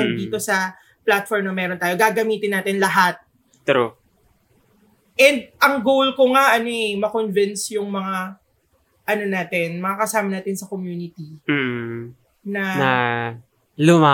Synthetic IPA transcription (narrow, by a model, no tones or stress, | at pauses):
nd̪iːt̪o̞sɐ | plat̪̚foɹmnɐmɛːɾo̞nt̪aːjo̞ɡaːɡɐmiːt̪ɪnːaːt̪ɪnlɐɦat̪̚ | t̪ɾo | ʔɛnd̪̚ʔɐŋɡowlkoŋaʔɐnoʔɛmɐkonvɪnsjʊŋmɐŋa | ʔɐno̞naːt̪ɛnmɐŋakɐsaːmɐnaːt̪ɪnsɐkomjuːnɪt̪iː | nɐnɐ | lʊma